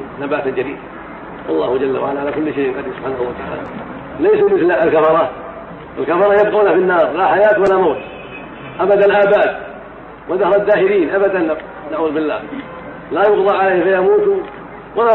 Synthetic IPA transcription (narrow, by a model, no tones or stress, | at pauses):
nabaːt̪d͡ʒaɾḭːd̪ | wɑ̰lˤːɑːhʊd͡ʒalːa̰wa̰ʕalaʕalakʊlːʃejʔɪqɑd̪sʊbħaːnahwat̪aʕa̰ːla̰ | lajsamɪθlaalkafɑɾˤɑːt̪ | ʔɪ̰lkafɑɾˤɑjab̚quːnafɪnːɑːɾˤlaħajaːt̪walamoːt̪ | ʔabad̪anlʔaːbaːt̪ | waðahɾˤad̪ːaːhɪɾiːnʔabad̪an | naʕuːðʊbɪlːa̰ːh | lajʊɡðˤɑʕalejhfajamuːt̪ | wala